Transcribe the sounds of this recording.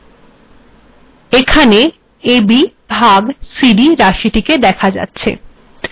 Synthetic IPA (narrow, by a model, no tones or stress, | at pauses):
ekʰane | ebi | bʱaɡsiɖiɾaʃiʈiked̪ɛkʰad͡ʑa̰tːɕʰḛ